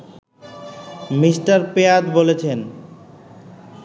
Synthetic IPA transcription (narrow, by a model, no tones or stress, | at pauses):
misʈaɾpeat̪bolet͡ɕʰen